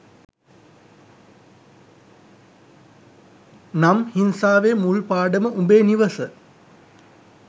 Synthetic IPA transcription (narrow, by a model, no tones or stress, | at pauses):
namhinsaːʋemulpaːɖəməʔumbeːniʋəsə